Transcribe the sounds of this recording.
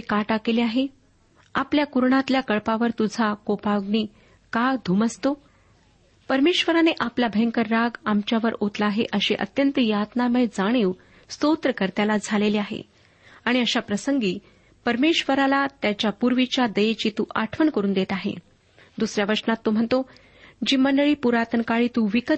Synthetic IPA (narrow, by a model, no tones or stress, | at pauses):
ekaʈakeliaɦe | apljakuɾɳat̪ljakəɭpaʋəɾt̪ud͡zʱakopaʋɡniː | kad̪ʱuməst̪o | pəɾmeɕʋəɾaneʔapljabʱeŋkəɾːaɡamt͡ɕjaʋəɾot̪laːɦḛʔəɕḛʔə̰t̪jənt̪əjat̪naməd͡zaɽ̃iw | st̪ot̪ɾəkəɾt̪jalad͡zʱaleliaɦḛ | aɽ̃iəɕapɾəsəŋɡiː | pəɾmeɕʋəɾalat̪jat͡ɕjapuɾʋit͡ɕjad̪əjet͡ɕiːt̪uʔaʈʰʋəɳkəɾuːnd̪et̪aɦḛ | d̪usɾjaʋəʂnat̪ːom̤əɳt̪o | d͡ʑiːməɳɖəɭiːpuɾat̪ənkaɭiːt̪uʋikə